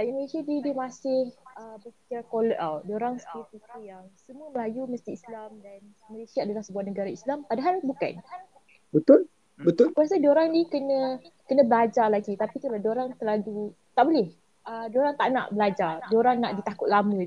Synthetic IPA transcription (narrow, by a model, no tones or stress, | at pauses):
iməlesiadidiəmasɪhəbəkət͡ʃakoləʔawdoɾaŋsə̥kipit̪ujaŋsəmũəməlajuməst̪iːslamdan | məlesiaːdalahsəbuahnəɡaɾaislampadaɦalbuka̰n | bət̪ʊl | bət̪ʊlkəɾas̬ədioɾaŋdikənə̃kənə̃bəlad͡ʒarlaɡit̪apit̪ulahdioɾaŋt̪əlalu | t̪aʔbolɛh | ədioɾaŋt̪a̰ʔna̰ʔbəlad͡ʒardioɾaŋnaʔdit̪akʊt̪̚lamə̃